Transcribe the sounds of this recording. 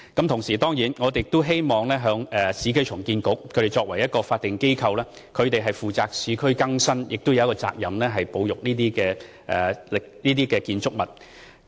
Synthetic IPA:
kɐ˥mt̪ʰʊ˨˩ŋsiː˨˩t̪ɔː˥ŋjiː˨˥nŋɔː˨˧t̪e˨jɪk̚t̪ʊ˥ɦe˥jmɔː˨˩ŋlɛː˥ɦœː˨˧ŋɛ˨siː˨˧kʰɵ˥t͡ʃʰʊ˨˩ŋkiː˧nkʊ˨˥k̚kʰɵ˨˧tɾe˨˩jt͡ʃɔː˧k̚wɐ˨˩jɐ˥t̚kɔː˧faː˧t̚t̪ːɪ˨ŋke˥jkʰɐ˧wlɛː˥ | kʰɵ˨˧ɥt̪e˨jɦɐ˨jfuː˨˩t͡saː˧k̚siː˨˧kʰɵ˥ɥkɐ˥ŋsɐ˥njɪ˨k̚t̪o˥wjɐ˨w̚kɔː˧t͡sa̰ː˧k̚jɐ˨mlɛː˥ɦɐ˨jpo˨˧wjʊ˨k̚niː˥t̪iː˥kɛː˧ | ʔɛ̰ː˨lɪ˨k̚niː˥t̪iː˥kɛː˧kiː˧nt͡sʊ˥k̚mɐ˨˩t̚

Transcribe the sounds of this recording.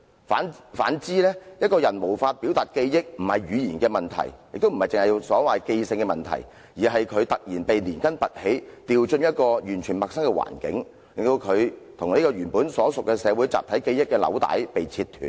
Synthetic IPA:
faː˨˥nfa̰ː˨˥nt͡siː˥lɛː˥jɐ˥t̚kɔː˧jɐ˨˩nmo˨˩wfaː˧t̚piː˨˥wt̪aː˨t̚ke˧jjɪ˥k̚m̩˨˩hɐ˨jyː˨˧jiː˨nkɛː˧mɐ˨nt̪ʰɐ̰˨˩jjɪ˨k̚t̪o˥wm̩˨˩hɐ˨jt͡sɪ˨ŋhɐ˨˩jwsɔː˨˥waː˨jke˧jsɪ˧ŋkɛː˧mɐ˨nt̪ʰɐ̰˨˩j | jiː˨˩ɦɐ˨jkʰɵ˨˧ɥt̪ɐ˨k̚jiː˨˩npe˨jniː˨˩nkɐ˥npɐ˨t̚he˨˥jt̪iː˨wt͡ʃɵ˧njɐ˥t̚kɔː˧jyː˨˩nt͡ʃʰyː˨˩nmɐ˨k̚sɐ˥ŋkɛ˧wa̰ː˨˩nkɪ̰˨˥ŋ | lɪ˨ŋt̪o˧wkʰɵ˨˧ɥt̪ʰʊ˨ŋneː˥kɔː˧ɥyː˨˩npuː˨˥nsɔː˨˥sʊ˨kːɛ˧sɛː˨˧wuː˨˥jt͡sa̰ː˨p̚t̪ʰɐ˨˥jke˧jɪ˥kːɛː˧lɐ̰˨˥wt̪a̰ː˨˥jpe˨jt͡sʰiː˧t̪ʰːy̰ː˨˩n

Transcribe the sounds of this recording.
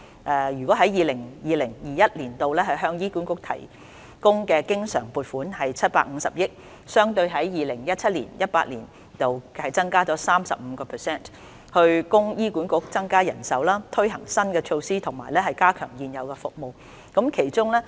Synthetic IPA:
ʔɛː˨jy˨˩kɔ˨˥ɦɐ˨˥jiː˨˧lɪ˨˩ŋjiː˨˧lɪ˨˩ŋjiː˨jɐ˥t̚liː˨˩nt̪o˨wlɛː˥ɦɐ˨jɦœː˧ŋjiː˥ku˨˥nkʊ˨˧k̚t̪ʰɐ̰˨˩j | kʊ˥ŋkɛː˧kɪ˥ŋsœː˨˩ŋpuː˨˧t̚fuː˨˥nhɐ˨jt͡sʰɐ˥t̚paː˧k̚ŋ̩ː˨˧sɐ̰˨p̚jɪ˥k̚ | sœː˥ŋt̪ɵ˧ɥɦɐ˨˥jjiː˨lɪ˨˩ŋjɐ˥t̚t͡sʰɐ˥t̚lḭː˨˩njɐ˥t̚paː˧t̚lḭː˨˩n | t̪o˨whɐ˨jt͡sɐ˥ŋkaː˥t͡sɔː˨˥saː˥msɐ̰˨p̚m̩˨˧˦kɔː˧pʰɛ˨sɛː˥˩n | hɵ˧ɥkʊ˥ŋjiː˥kuː˨˥nkʊ˨˥k̚t͡sɐ˥ŋkaː˥jɐ˨˩nsɐ˨˥wlaː˥t̪ʰɵ˥ɥɦɐ˨˩ŋsɐ˥nkɛː˧t͡ʃʰo˧wsiː˥t̪ʰʊ˨˩ŋma̰ː˨˩jlɛː˥ɦɐ˨jkaː˥kʰœː˨˩ŋjiː˨njɐ˨˧wkɛː˧fʊ˨k̚mo˨w | kɐ˨˥mkʰe˨˩jt͡ʃʊ˥ŋlɛː˥

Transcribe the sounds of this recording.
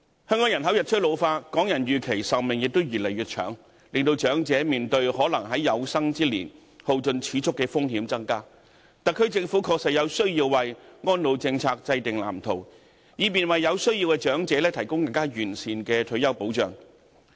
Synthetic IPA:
hœː˥ŋkɔː˨˥ŋjɐ˨˩nɦɐ˨˥wjɐ˨t̚t͡ʃʰɵ˥t̚lo˨˧wfaː˧tkɔː˨˥ŋjɐ˨˩njyː˨kʰe˨˩jsɐ˨˩wmɪ˨ŋjɪ˨k̚t̪o˥wjyː˨˩lɐ˨˩jɥyː˨t̚t͡ʃʰœ̰ː˨˥ŋ | lɪ˨ŋt̪o˧wt͡ʃœː˨˥ŋt͡sɛː˨˥miː˨nt̪ɵ˧ɥɦɔː˨˥lɐ˨˩ŋɦɐ˨˥jjɐ˨˧wsɐ˥ŋt͡siː˥lḭː˨˩n | ho˨˧wt͡sɵ˧nt͡sʰiː˨˥t͡sʰʊ˥kːɛː˧fʊ˥ŋɦiː˨˥mt͡sɐ˥ŋkaː˥ | t̪ɐ˨kʰːɵ˥ɥt͡sɪ˧ŋfu˨˥kʰɔː˧k̚sɐ˨t̚jɐ˨˧wsɵ˥ɥjiː˧wːɐ˨jŋɔː˥nlo˨˧wt͡sɪ˧ŋt͡sʰaː˧k̚t͡sɐ˧jt̪ɪ˨ŋla̰ː˨˩mt̪ʰo˨˩w | jiː˨˧miː˨nwɐ˨jːɐ˨˧wsɵ˥ɥjiː˧wkɛː˧t͡ʃœː˨˥ŋt͡sɛː˨˥lɛː˥t̪ʰɐ˨˩jkʊ˥ŋkɐ˧ŋkaː˥jyː˨˩nsiː˨nkɛː˧t̪ʰɵ˨˧˥jɐ˥wpo˨˥wt͡ʃœ̰ː˨ŋ

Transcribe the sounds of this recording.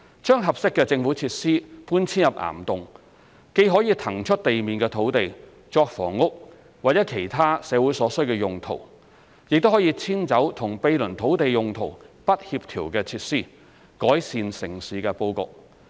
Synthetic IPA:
t͡ʃœː˥ŋɦɐ˨p̚sɪ˥kːɛː˧t͡sɪ˧ŋfuː˨˥t͡sʰiː˧t̚siː˥puː˥nt͡sʰiː˥njɐ˨p̚ʔa̰ː˨˩mt̪ʊ˨ŋ | ke˨˥jɦɔː˨˥jiː˧t̪ʰɐ˨˩ŋt͡ʃʰɵ˥t̚t̪e˨jmiː˨nkɛː˧t̪ʰo˨˥wt̪e˨j | t͡ʃɔː˧k̚fɔ̰ː˨˩ŋːʊ˥k̚ | waː˨t̚t͡sɛː˨˥kʰe˨˩jt̪ʰaː˥sɛː˨˧wuː˨˥jsɔː˨˥sɵ˥ɥkɛː˧jʊ˨ŋt̪ʰo̰˨˩w | jɪ˨k̚t̪o˥whɔː˨˥jiː˧t͡sʰiː˥nt͡sɐ˨˥wt̪ʰʊ˨˩ŋpe˧jlɵ˨˩nt̪ʰo˨˥wt̪e˨jjʊ˨ŋt̪ʰo˨˩wpɐ˥t̚hiː˧p̚t̪ʰiː˨˩wkɛː˧t͡sʰiː˧t̚siː˥ | kɔː˨˥jsiː˨nsɪ˨˩ŋsiː˨˥kɛ˧po˧wkʊ̰˨k̚

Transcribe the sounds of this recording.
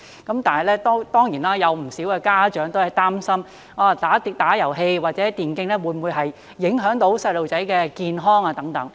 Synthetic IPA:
kɐ˨˥mt̪aː˨nhɐ˨˩jlɛː˥t̪ɔ˥t̪ɔː˥ŋjiː˨˩naː˥jɐ˨˧wm̩˨˩siː˨˥wkɛː˧kaː˥t͡ʃœː˨˥ŋt̪o˥whɐ˨jt̪aː˥msɐ˥m | aː˧t̪aː˨˥t̪i˧t̪aː˨˥jɐ˨˩wɦe˧jwaː˨t̚t͡sɛː˨˥t̪iː˨˩nkɪ˧ŋlɛː˥wuː˨˧jmwuː˨˧jɦɐ˨jː | ɪ˨˥ŋɦœː˨˥ŋt̪o˨˥wsɐ˧jlo˨wt͡sɐ˨˥jkɛː˧kiː˨nɦɔː˥ŋaː˧t̪ɐ˨˥ŋt̪ɐ˨˥ŋ

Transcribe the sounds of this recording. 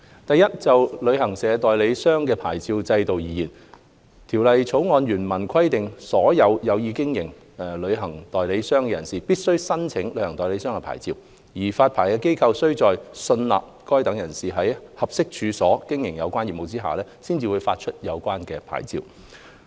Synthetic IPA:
t̪ɐ˨jːɐ˥t̚t͡sɐ˨wlɵ˨˧ɥhɐ˨˩ŋsɛː˨˧t̪ɔː˨˩jle˨˥jsœː˥ŋkɛː˧pʰa̰ː˨˩jt͡siː˧wt͡sɐ˧jt̪o˨wjiː˨˧jiː˨˩n | t̪ʰiː˨˩wlɐ˨jt͡sʰo˨˥wŋɔː˨˧njyː˨˩nmɐ˨˩nkʰɐ˥jt̪ɪ˨ŋsɔː˨˥jɐ˨˧wjɐ˨˧wjiː˨˧kɪ˥ŋjɪ˨˩ŋ | ɛ˨lɵ˨˧ɥɦɐ˨˩ŋt̪ɔː˨jle˨˧˥jsœː˥ŋkɛ˧jɐ˨˩nsiː˨˩piː˥t̚sɵ˥ɥsɐ˥nt͡sʰɪ˨˥ŋlɵ˨˧˥ɥhɐ˨˩ŋt̪ɔː˨˩jle˨˥sœː˥ŋkɛ˧pʰa̰ː˨˩jt͡siː˧w | jiː˨˩faː˧t̚pʰaː˨˩jkɛː˧ke˥jkʰɐ˧wsɵ˥ɥt͡sɔː˨jsɵ˧nla̰ː˨p̚kɔː˥jt̪ɐ˨˥ŋjɐ˨˩nsiː˨˩ɦɐ˨˥jhɐ˨p̚sɪ˥k̚t͡ʃʰyː˨˧sɔː˨˥kɪ˥ŋjɪ˨˩ŋjɐ̰˨˧wkʷaː˥njiː˨pmo˨wt͡siː˥ɦa̰ː˨˩lɛː˥siː˥nt͡siː˨˧wu˨˧jfaː˧t̚t͡ʃʰɵ˥t̚jɐ˨˧wkʷaː˥nkɛː˧pʰa̰ː˨˩jt͡sḭː˧w

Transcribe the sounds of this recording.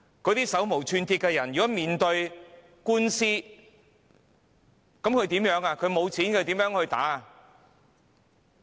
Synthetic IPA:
kɔː˨˧˥t̪iː˥sɐ˨˥wmo˨˩wt͡ʃʰyː˧nt̪ʰiː˧t̚kɛ˧jɐ˨˩njyː˨kɔ˨˥miː˨˧nt̪ɵ˧ɥ | kuː˥nsiː˥ | kɐ˨˥mkʰɵ˧jt̪i˨˥mjœː˨˧˥ŋaː˧kʰɵ˨˧ɥmo˨˧wt͡sʰiː˨˥nkʰɵ˧jt̪iː˨˥mjœː˨˥ŋhɵ˧t̪a̰ː˨˥a˨˧

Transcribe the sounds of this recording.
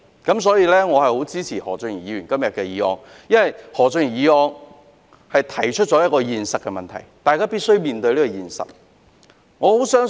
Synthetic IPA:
kɐ˨˥ms̬ɔː˨˥jiː˧lɛː˥ŋɔː˨˧hɐ˨jho˨˥wt͡siː˥t͡sʰiː˨˩hɔ̰ː˨˩t͡sŋy˨˩jiː˨˧ɥyː˨˩nkɐ˥mjɐ˨t̚kɛ˧jiː˨˧˥ɔ̰ː˧˥ŋ | jɐ˥nwɐ˨jhɔː˨˩t͡sɵ˧ŋy˨njiː˨˧ɔː˧ŋ | hɐ˨jt̪ʰɐ˨˩jt͡ʃʰɵ˥t̚t͡ʃɔ˨˧jɐ˥t̚kɔː˧jiː˨nsɐ˨t̚kːɛ˧mɐ˨nt̪ʰɐ̰˨˩jt̪aː˨jkaː˥piː˥t̚sɵ˥jmiː˨nt̪ɵ˧ɥliː˥kɔː˧jiː˨˩nsɐ̰˨t̚ | ŋɔː˨˧ho˨˥wsœː˥ŋ

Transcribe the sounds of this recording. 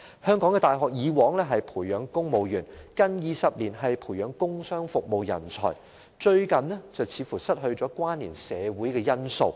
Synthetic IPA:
hœː˥ŋkɔː˨˥ŋɛː˧t̪aː˨jɦɔː˨k̚jiː˨˧wɔː˨˥ŋlɛː˥ɦɐ˨jpʰuː˨˩jjœː˨˧ŋkʊ˥ŋmo˨wjyː˨˩nkɐ˥njiː˨˧sɐ˨p̚liː˨˩nɦɐ˨jpʰuː˨˩jœː˨˧ŋkʊ˥ŋsœː˥ŋfʊ˨k̚mo˨wjɐ̰˨˩nt͡sʰɔ̰ː˨˩j | t͡ʃɵ˧ɥkɐ˨nlɛ˥t͡sɐ˨wt͡sʰiː˨˥fuː˨˩sɐ˥t̚ɦɵ˧ɥt͡sɔː˨˥kwaː˥nliː˨˩nsɛː˨˧wuː˨˥jkɛː˧jɐ˥nso˧w

